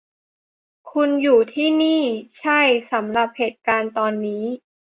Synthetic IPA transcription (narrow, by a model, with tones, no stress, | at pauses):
kʰu˧njuː˨˩t̪ʰiː˥˩niː˥˩t͡ɕʰa˥˩jsa˩˦mɾa˨˩p̚heː˨˩t̪̚kaː˧nt̪ɔː˧nːiː˦˥